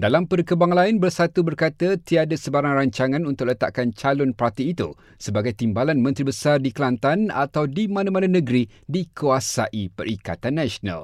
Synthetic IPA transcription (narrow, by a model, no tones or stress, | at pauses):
dalampərkəbaŋlaɪnbərsat̪ubərkat̪ət̪iadasəbaɾaŋraɲt͡ʃaŋãnunt̪ʊk̚lət̪a̰ʔkant͡ʃalʊnpart̪iːt̪ṵ | səbaɡajt̪imbalanmə̃nt̪ɾibəsardikəlant̪ana̰t̪awdimãnãmãnãnə̃ɡɾi | dikuasaʔipə̰ɾika̰t̪anːaʃonã̰l